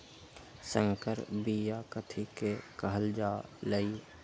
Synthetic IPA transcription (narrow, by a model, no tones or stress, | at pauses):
sə̃ŋkəɾbijakət̪ʰikekəɦəld͡ʒaːləiː